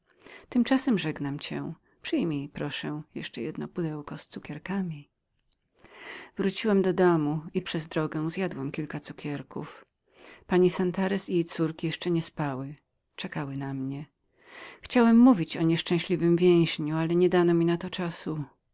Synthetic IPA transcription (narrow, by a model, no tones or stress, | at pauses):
t̪ɘmt͡ʂasɛmʐɛɡnamt͡ɕɛ̰ | pʂɘjmʲipɾɔʂɛ̃jɛ̰ʂt͡ʂɛjɛ̰d̪nɔ̰pud̪ɛwkɔst̪sukʲɛɾkamʲi | vɾut͡ɕiwɛmd̪ɔd̪ɔmuipʂɛzd̪ɾɔɡɛ̃zjad̪wɛmkʲilkat̪sukʲɛɾkṵf | paɲisant̪aɾɛsijejt̪suɾkʲijɛʂt͡ʂɛɲɛspawɘ | t͡ʂɛkawɘnamɲɛ | xt͡ɕawɛmːuvʲit͡ɕɔɲɛʂt͡ʂɛ̃w̃ɕlʲivɘmvʲjɛ̃w̃ʑɲualɛɲɛd̪anɔmʲinat̪ɔt͡ʂasu